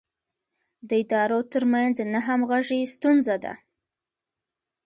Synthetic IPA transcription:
d̪əɪd̪ɑɾot̪əɾmanznaɦamɣaʒist̪unzad̪a̰

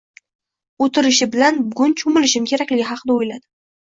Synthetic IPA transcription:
ot̪ʰɪɾɪʃɪbɪlanbʊɡʊnt͡ʃʰʊmɪlɪʃɪmkʲʰe̞ɾakʲlɪɡʲɪɦɑqʰɨd̪aojlad̪ɪ

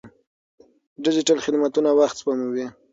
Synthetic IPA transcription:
ɖɪd͡ʒɪʈalxɪd̪mat̪unawaxt̪spamuwi

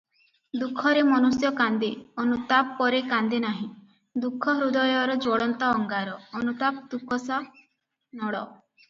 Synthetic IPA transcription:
d̪ukʰːɔɾemɔnusjɔkand̪eɔnut̪apːɔɾekand̪enaɦĩ | d̪ukʰːɔɦɾud̪ɔjɔɾɔd͡ʒɔɽɔnt̪ɔːŋɡaɾɔːnut̪ap̚d̪ukʰɔsa | nɔɽɔ

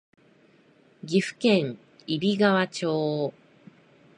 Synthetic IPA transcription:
ɡʲiɸɯ̟̥kẽ̞ŋ | ibʲiɡaβat͡ɕoː

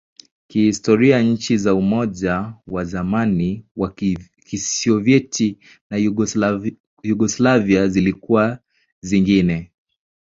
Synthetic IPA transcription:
kihistɔɾiaɲ̩t͡ʃizaumɔʄawazamaniwa | kisiɔvɛtʰi | na | juɡɔslaviazilikuwa | ziŋɡinɛ

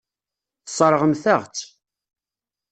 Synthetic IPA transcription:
θsˤɾˤəʁəmθəʁt͡sː

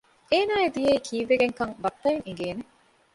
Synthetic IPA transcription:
eːnaːed̪ijeikʰiːʋːeɡeŋkɐŋbɐt̪ːɐeŋiŋɡeːne

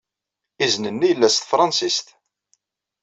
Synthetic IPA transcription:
iznənːijəlːæst̪fɾˤɑnsist̪

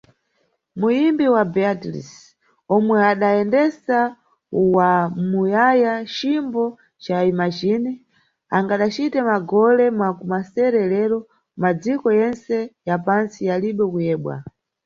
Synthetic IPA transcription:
mujimbiwabiatlḭs | ɔmwɛaɗaɛndɛsa | wamujajat͡ʃimbɔ | t͡ʃaimat͡ʃini | aŋɡaɗat͡ʃitɛmaɡɔlɛmakumasɛɾɛlɛɾɔ | mad͡zikɔjɛnsɛjapansialiɓɛkujɛːɓwa̰

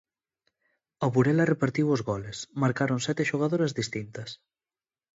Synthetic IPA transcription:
aβuɾɛlarepaɾt̪iwozɣɔlesmaɾkaɾonsɛt̪eʃuɣ̞aðoɾɐzðist̪int̪ɐs

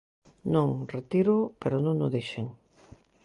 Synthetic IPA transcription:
nõŋret̪iɾʊpeɾonõŋnʊðejʃeŋ

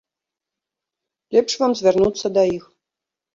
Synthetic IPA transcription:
lʲɛpʂvamzvʲɛrnut̪sɐd̪ɐix

